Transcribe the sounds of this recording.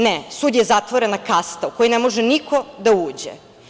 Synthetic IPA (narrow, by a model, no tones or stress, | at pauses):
nesud̪jezat̪ʋoɾenakast̪aukojinemoʒenikʰo̞d̪auːd͡ʑḛ